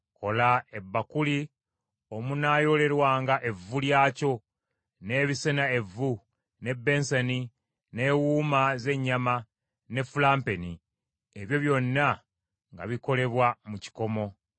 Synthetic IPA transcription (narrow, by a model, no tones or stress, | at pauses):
ko̞lae̞bːakuli | o̞munaːjo̞le̞ɾwaːŋɡaʔe̞vːuljaːco̞ | ne̞ːβise̞nae̞vu | ne̞bːe̞ːnseni | ne̞ːwuːmaze̞ɲːama | ne̞fulaːmpe̞ni | eβjo̞βjo̞nːa | ŋɡa̰βiko̞le̞βwamuci̥ko̞mo̞